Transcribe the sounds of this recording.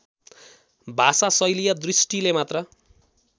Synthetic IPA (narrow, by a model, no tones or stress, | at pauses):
bʱasasʌjlijʌd̪risʈilemat̪rʌ